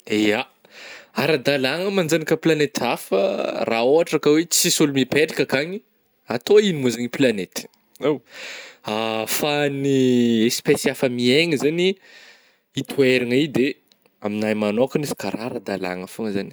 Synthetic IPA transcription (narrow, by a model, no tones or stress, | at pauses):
ea | aɾad̪alaŋəmand͡zanikəplanet̪ʰafə̰raoaʈ͡ʂakəwet͡sisulumipeʈ͡ʂi̥kəkaɲi | at̪oinimuzaɲiplanet̪i̥ | aw | afaniespesiafəmieŋizani | it̪ʰueɾaŋid̪e | aminajmanokanizi̥kaɾaɾad̪ala̰ŋəfuŋəzani